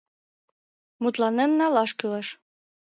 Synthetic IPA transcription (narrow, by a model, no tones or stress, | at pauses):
mut̪lˠɑnĕnnːɑlˠɑʃkylɤʃ